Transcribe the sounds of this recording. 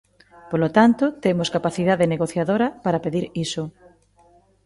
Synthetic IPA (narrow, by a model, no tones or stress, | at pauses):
polot̪ant̪ot̪emʊskapaθiðaðeneɣoθjaðoɾɐpaɾapeðiɾiso